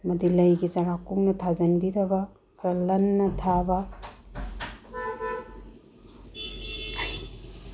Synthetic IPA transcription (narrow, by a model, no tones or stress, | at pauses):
mɐdilɐjɡizaɾakuŋnɐtʰazɐnbidɐbɐ | kʰɾɐlɐnːɐtʰabɐ